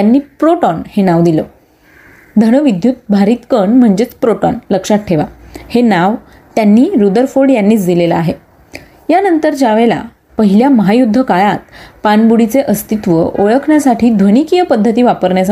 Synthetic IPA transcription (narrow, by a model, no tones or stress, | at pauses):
t̪janːiːpɾoʈɔnhenaʋd̪ilə | d̪ʱəɽəʋid̪ʱjut̪̚bʱaɾiːt̪kəɳm̤əɳd͡ʑet͡spɾoʈɔnləkʂaʈʰeʋahenaʋ | t̪janːiːɾud̪əɾfoɽjanːiːt͡sd̪ilelaaɦe | janənt̪əɾd͡ʑaʋela̰ | pəɦiljaməɦajud̪ʱːəkajat̪̚panbuɽit͡seʔəst̪it̪ʋəʔoɭəkʰɳjasaʈʰiːd̪ʱʋənikijəpəd̪ʱːət̪iːʋapəɾɳjasa